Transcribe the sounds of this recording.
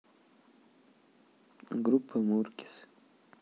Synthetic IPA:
ɡɾupʰːəmuɾki̥s

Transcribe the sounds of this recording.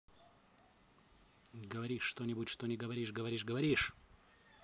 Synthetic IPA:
ɡəvɐɾʲiʂːt̪onʲɪbutʲʂt̪o̞nʲɪɡəvɐɾʲiʂɡəvɐɾʲiʂɡəvɐɾʲiʂ

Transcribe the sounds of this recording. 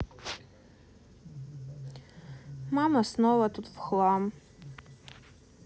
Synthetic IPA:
mamasnowatʰutvχlam

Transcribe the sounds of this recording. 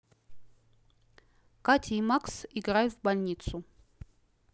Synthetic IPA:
katʰʲimaksiɡrajʲvbalʲnʲit̪sʰu

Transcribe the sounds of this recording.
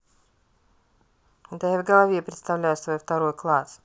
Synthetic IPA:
d̪ajavɡəlˠɐvʲepɾʲɪt̪st̪ɐvlʲæjʊsvojft̪ɐɾo̞jklˠas

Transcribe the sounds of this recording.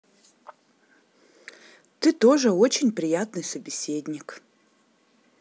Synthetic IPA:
t̪ɨt̪o̞ʐɨot͡ɕɪnʲpɾʲijat̪nɨjsɐbʲisʲe̞dʲnʲik

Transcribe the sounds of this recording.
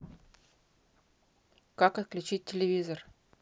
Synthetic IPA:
kakɐt̪̚klʲʉt͡ɕit̚ʲtʲɪlʲɪvʲizər

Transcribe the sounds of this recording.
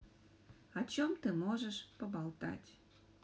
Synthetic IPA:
ɐt͡ɕomt̪ɨmoʒəʃpəbalˠt̪a̰tʲ

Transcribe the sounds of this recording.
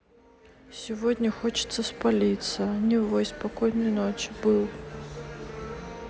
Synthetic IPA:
sʲɪvodʲnʲəxot͡ɕɪ̥t̪səspalʲit̪sənʲɪvojspɐkojnɨjnot͡ɕɪbɨlˠ

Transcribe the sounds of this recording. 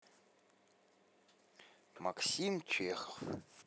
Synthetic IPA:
maksimt͡ɕʷʰeːxəf

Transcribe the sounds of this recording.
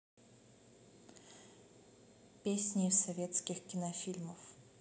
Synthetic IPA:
pʲesʲnʲɪfsɐvʲet̪skʲɪxkʲɪnɐfʲilʲməf

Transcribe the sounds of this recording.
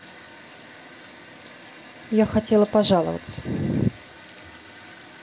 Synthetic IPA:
jaxatʲelˠəpaʐalˠə̰və̰t̪sə̥

